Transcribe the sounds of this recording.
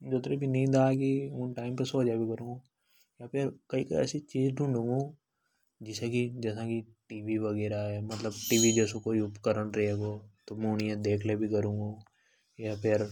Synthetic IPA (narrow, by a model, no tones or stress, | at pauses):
d͡ʒot̪ɾebʱinɐĩd̪aːkiʊ̃ʈaːɪmpesoːd͡ʒabʱikɐɾũːŋɡo | japʰɪɾkɐikɐ̰ɛ̰sit͡ʃiːzɖʱũɳɖũːŋɡõː | d͡ʒɪsãkid͡ʒɛːsãkiʈiːʋiʋɐɡɛːɾaɦɛmɐt̪ləbʈiːʋid͡ʒɛːsõkoːiʊpkəɾənɾɛɦeːɡot̪omẽʊnijãd̪eːkʰlebʱikəɾũːŋɡoː | japʰɪɾ